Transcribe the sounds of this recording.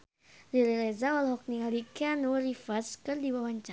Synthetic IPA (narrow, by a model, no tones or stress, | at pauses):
rilɛlɛzawalɦɔk̚nialikeanurifaskɨrdibawaɲt͡ʃa